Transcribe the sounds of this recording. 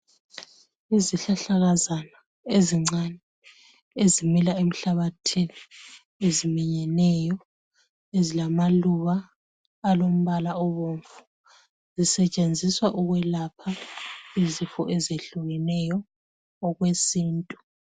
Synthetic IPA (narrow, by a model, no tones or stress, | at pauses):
iziɬaɬaɣazana | eziŋ͡ǀanɛ | ezimilaem̩ɬaβatʰini | ezimiɲɛnɛjɔ | ezilamaluβaː | lom̩βalaɔβoɱfu̥ | zisɛt͡ʃʼend͡zʱiswaʔuɣwɛlapʰaizifɔ̰ʔezeɬuɣɛnɛjɔː | ɣwesiːntʼu̥